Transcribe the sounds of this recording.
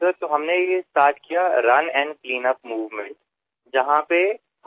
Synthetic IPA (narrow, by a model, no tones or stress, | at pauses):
əɾt̪oɦɐmnejesʈaːɾʈkijaɾɐnɛ̃ːɳɖpliːnəp̚muːʋmẽɳʈ | d͡ʒɐɦãpe